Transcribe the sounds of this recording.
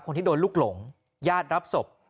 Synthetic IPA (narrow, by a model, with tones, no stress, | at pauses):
p̚kʰo˧t̪i˥˩doː˧nluː˥˩k̚lo˩˦ŋ | jaː˥˩t̪̚ɾa˦˥p̚so˨˩p̚